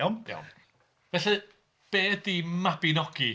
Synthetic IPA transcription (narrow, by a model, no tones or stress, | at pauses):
wma̰wm | vɛɬɨ | b̥eːdimabinɔɡ̥i